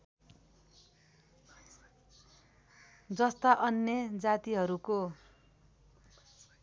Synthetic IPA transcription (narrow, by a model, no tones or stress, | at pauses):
d͡zʌst̪aʔʌnjʌd͡zat̪iɦʌɾuko